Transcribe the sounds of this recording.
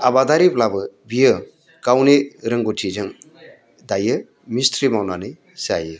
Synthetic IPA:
abad̪aɾiplabɯbijɯ | kawneɾɯŋɡuʈʰid͡ʒɯŋ | d̪ajɯ | mist̪ʰɾimawnanɯ | sajɯ

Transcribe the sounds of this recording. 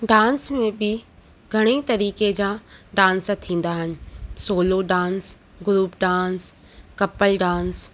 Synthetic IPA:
ɖãːnsmẽbɪ | ɡʱɐɽ̃it̪ɐɾiːked͡ʑãːɖãːnst̪ʰĩːn̆d̪aɦɪnɪ̆soːloɖãːns | ɡʊɾuːpɖãːns | kɐpəlɖãːns

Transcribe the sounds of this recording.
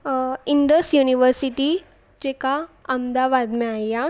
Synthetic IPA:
ind̪əsjuniʋəɾsiʈi | d͡ʑekaəmd̪aʋad̪mɛaja

